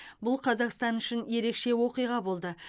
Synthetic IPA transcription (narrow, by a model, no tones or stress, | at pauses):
bʊlˠqʰɑzɑqst̪ɑnʏʃɪnje̞ɾe̞kʃe̞wo̞qijʁɑbo̞lˠd̪ə